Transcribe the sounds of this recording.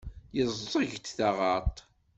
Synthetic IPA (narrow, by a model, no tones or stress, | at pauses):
jəzˤːəʝt̪θaʁɑt̪ˤ